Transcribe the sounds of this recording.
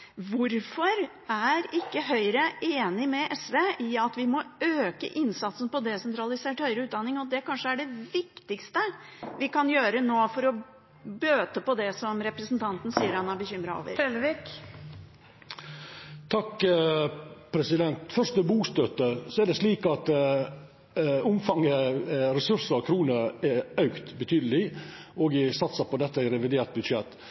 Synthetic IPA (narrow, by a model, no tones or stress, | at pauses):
ʋʊɾfɔɾ | æɾɪkːəɦœʏɾəeːnɪmɛʔɛsʋeɪɑt̪ʋɪmɔøːkə̰ʔɪnsɑt̪sən̩pɔd̪ɛsɛnt̪ʰɾɑlɪseːʈhœʏɾəʉːt̪̚d̪ɑnːɪŋɔd̪ɛkɑnʂəæɖɛʋɪkt̪ɪkst̪əʋɪkɑnjøːɾənoːfɔɾɔ | bøːt̪əpɔd̪ɛsɔmɾɛpɾəsnt̪ʰɑnt̪n̩siːəɾɑnːɑbəçʏmɾɑo̰ːʋə̰ɾɛlʋɪk | t̪ʰɑkː | pʰɾɛsɪd̪ɛnt̪fœɾʂt̪əbuːst̪øt̪əsɔɛɖ̪ɛsliːkɑt̪ | ʊmfɑŋəɾɛsʉɾsəɾkʰɾuːnəɛœʉkt̪bət̪ʰyːd̪əlɪɔɡɪsɑt̪səpɔd̪ɛt̪ːəæɪɾɛʋɪd̪eːʈ̪̚bʉd̪ʂɛt̪ː